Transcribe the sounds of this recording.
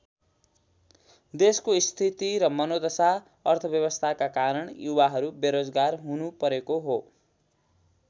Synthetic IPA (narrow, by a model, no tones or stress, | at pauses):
d̪eskoist̪ʰit̪iɾʌmʌnod̪ʌsa | ʌrt̪ʰʌbjʌβʌst̪ʰakakaɾʌɳjuwaɦʌɾubeɾod͡zɡarɦunupʌɾekoɦo